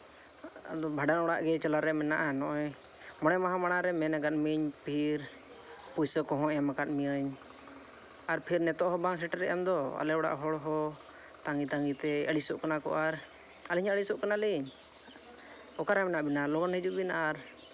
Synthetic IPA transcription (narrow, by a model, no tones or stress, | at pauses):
a̰d̪ɔbʱaɖanɔɽa̰ʔɡɛt͡ʃalaɾɛmɛnaʔanɔʔɔj | mɔɽɛmaɦãmaɽaɾɛmɛnaɡat̪̚miɲpʰiɾ | pujsəkɔɦɔ̃ʔɛamakat̪̚miəɲ | aɾpʰiɾnɛt̪ɔʔɦɔbaŋs̬ɛʈaɾɛjamd̪ɔa̰lɛɔɽa̰ʔɦɔɽɦɔ | t̪aŋɡit̪aŋɡit̪ɛəɽisuʔkanakɔ̰ʔaɾ | aliɲəɽisɔʔkanaliɲ | ɔkaɾamɛnaʔbinalɔɡanɦɛd͡ʒuʔbinaʔaɾ